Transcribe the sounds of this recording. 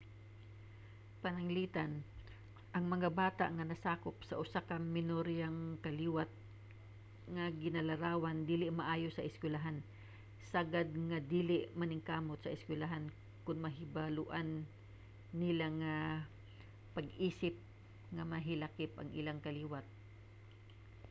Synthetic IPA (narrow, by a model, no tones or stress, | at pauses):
pɐnɐŋliːt̪an | ʔɐŋmɐŋabaːt̪a̰ʔŋɐnɐsaːkop̚sɐʔʊsakɐmɪnoɾijaŋkɐliːwat̪̚ | ŋaɡɪnɐlɐɾaːwand̪iːlɪʔmɐʔaːjosɐʔɪskwɪlaɦan | saɡad̪̚ŋad̪iːlɪʔmɐnɪŋkaːmot̪̚sɐʔɪskwɪlaɦan | kʊnmɐɦɪbalʊʔanː | ɪlaŋa | pɐɡʔiːsɪp̚ | ŋamɐɦɪlakɪpʔɐ̰ŋʔɪlaŋkɐliːwat̪̚